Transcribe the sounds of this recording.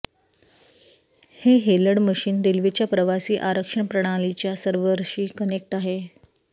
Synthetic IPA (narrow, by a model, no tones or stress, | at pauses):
heɦeləɽməɕiːnd̪ilʋit͡ɕjapɾəʋasiːʔaɾəkʂəɳpɾəɽ̃alit͡ɕjasəɾʋəɾɕiːkənek̚ʈaɦe